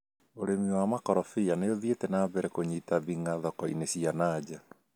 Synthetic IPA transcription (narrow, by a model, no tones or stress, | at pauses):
oɾemiwamakɔɾɔfianeoðietɛnabɛɾɛkoɲitaβiŋaðɔkɔḭnesianaːd͡ʑa